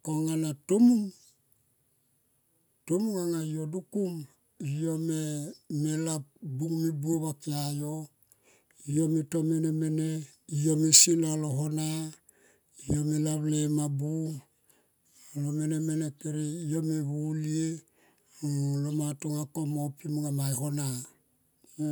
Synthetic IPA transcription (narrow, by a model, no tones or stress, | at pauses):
koŋanatomuŋ | tomuŋaŋaijodukum | ijomemelap̚buŋmibuoβakiajo | ijomitomenemene | ijomesiloaloɦona | ijomelaplemabu | alomenemenepeɾejomeβulie | lomatoŋakomopimŋamajɦona